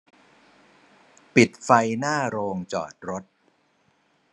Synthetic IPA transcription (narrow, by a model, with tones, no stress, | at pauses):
pi˨˩t̪̚fa˧jnaː˥˩ɾoː˧ŋt͡ɕɔ̰ː˨˩t̪̚ɾo˦˥t̪̚